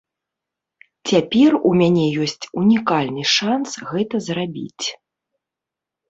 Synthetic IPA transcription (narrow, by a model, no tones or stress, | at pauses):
t͡sʲapʲɛrumʲanʲɛjɔsʲt͡sʲunʲikalʲnɨʂansɣɛt̪ɐzrabʲḭt͡sʲ